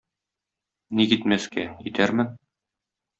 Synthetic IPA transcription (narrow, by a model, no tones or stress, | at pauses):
nikit̪mæskæit̪æɾmɘn